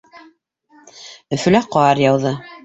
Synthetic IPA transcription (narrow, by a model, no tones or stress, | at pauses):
ɵ̆fɵ̆læqɑɑɾjɑwðɤ